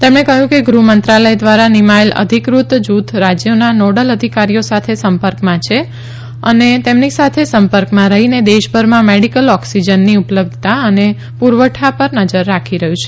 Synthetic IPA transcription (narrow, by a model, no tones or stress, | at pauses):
t̪emɳekəɦjũkeɡɾumənt̪ɾaləjd̪ʋaɾanimaelʔə̰d̪ʱikɾut̪d͡ʒut̪ʰɾad͡ʒjənanoɽələd̪ʱikaɾijosat̪ʰesəmpəɾkmãt͡ʃʰe | ənet̪emnisat̪ʰesəmpəɾkmãɾəɦined̪eʃbʱəɾmãmeɽikəlɔksid͡ʒənːiupləb̚d̪ʱt̪aəne | puɾʋəʈʰapəɾnəd͡ʒəɾːakʰiɾəɦjũt͡ʃʰe